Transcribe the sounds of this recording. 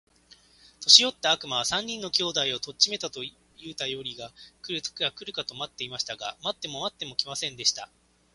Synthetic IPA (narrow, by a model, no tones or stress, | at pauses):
t̪o̞ɕijo̞t̪ːaːkɯ̟maβ̞asãɲ̟ːĩnːo̞kʲo̞ːd̪aio̞t̪ot͡ɕt͡ɕime̞t̪at̪o̞ | jɯ̟ːt̪ajo̞ɾʲiɡakɯ̟ɾɯ̟t̪kʲɯɡakɯ̟ɾɯ̟kat̪o̞mat̪ːe̞imaɕi̥t̪aɡa̰mat̪ːe̞mo̞mat̪ːe̞mo̞kʲimasẽ̞nd̪e̞ɕi̥t̪a